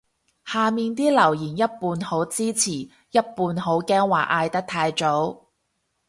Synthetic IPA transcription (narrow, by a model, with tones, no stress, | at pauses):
haː˨miː˨˧nt̪̬iː˥lɐ˨˩wjiː˨˩njɐ˥t̚puː˧nho˨˥wt͡siː˥t͡sʰiː˨˩ | jɐ˥t̚puː˧nho˨˥wkɛː˥ŋwaː˨˩ʔaː˧jt̪ɐ˥k̚t̪ʰaː˧jt͡ʃo˨˥w